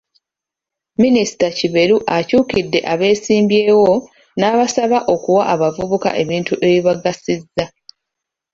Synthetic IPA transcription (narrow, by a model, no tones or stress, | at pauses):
minisi̥taciβe̞ɾuʔacuːkidːe̞ʔaβe̞ːsiːmbje̞ːwo̞ | naːβasaβaʔo̞kuwaʔːβavuβuka̰ʔe̞βiːntuʔe̞βiβaɡasizːa